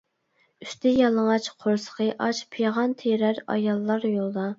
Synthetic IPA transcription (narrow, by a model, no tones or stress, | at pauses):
yʃt̪ɛjɑlˠəŋɑt͡ʃqʰoɾsə̥qʰəʔɑt͡ʃpʰijʁɑnt̪ʰeɾæɾɑ̰jɑlˠːɑɾjolˠd̪ɑ